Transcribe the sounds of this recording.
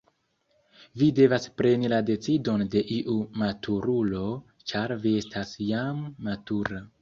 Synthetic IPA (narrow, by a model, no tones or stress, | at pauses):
vide̞vaspɾe̞nilade̞t͡sido̞nde̞ʔiʔumatʰuɾulo̞ | t͡ʃaɾvie̞stasjamːatuɾa